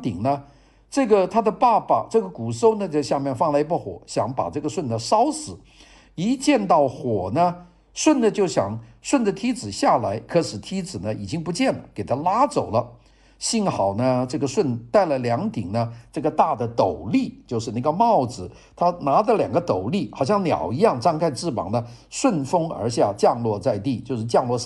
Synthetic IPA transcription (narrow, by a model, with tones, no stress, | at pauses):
t̪i˨˩ŋnə˦ | ʈ͡ʂɤ˥˩ɡə˩t̪ʰa˥d̪ə˨pa˥˧pa˩ʈ͡ʂɤ˥˩ɡə˩ku˨˩so˥ʊnə˨t͡ɕo˥˧ʊɕja˥˧mjɛ˥˧nfɑ˥˩˧ŋla˧˥pu˥˩xwɔ̰˨˩ɕjɑ˧˥ŋpa̰˨˩ʈ͡ʂɤ˥˩ɡə˩ʂwə˥˩nd̪ə˩ʂɑ˥ʊsɹ̩˨˩˦ | i˧˥t͡ɕjɛ˥˧nt̪ɑ˥˩ʊxwɔ˨˩nə˦ | ʂwə˥˩nd̪ə˩t͡ɕjo˥˩ʊɕjɑ̰˨˩ŋʂwə˥˩nd̪ə˩t̪ʰi˧˥d͡zɹ̩˨˩ɕja˥˩la˧˥ɪkʰɤ˧˥ʂɻ̩˨˩t̪ʰi˥t͡sɹ̩˨˩nə˦i˨˩t͡ɕi˥ŋpu˧˥t͡ɕjɛ˥˩nke˨˩ɪt̪ʰa˥la˥t͡so˨˩ʊlə˦ | ɕi˥˩nxɑ˨˩ʊnə˦ʈ͡ʂɤ˥˩ɡə˩ʂwə˥˧nt̪a˥˩ɪlə˩ljɑ˧˥ŋt̪i˨˩ŋnə˦ʈ͡ʂɤ˥˩ɡə˩t̪a˥˩d̪ə˩t̪o˨˩ʊli˥˩t͡ɕjo˥˧ʊʂɻ̩˥˧na˥˩ɡə˩mɑ˥˩ʊt͡sɹ̩˨˩ | t̪ʰa˥na˧˥d̪ə˧ljɑ˨˩ŋɡə˧˦t̪o˨˩ʊli˥˩xɑ˨˩ʊɕjɑ˥˩ŋnjɑ̰˨˩ʊi˧˥jɑ˥˩ŋʈ͡ʂɑ˥˧ŋkʰa˥˧ɪʈ͡ʂɻ̩˥˩pɑ̰˨˩ŋnə˦ʂwə˥˩nfɤ˥ŋə̰˞˧˥ɕja˥˧t͡ɕjɑ˥˧ŋlwɔ˥˧t͡sa˥˧ɪt̪i˥˩t͡ɕjo˥˧ʊʂɻ̩˥˧˩t͡ɕjɑ˥˧ŋlwɔ˥˧˥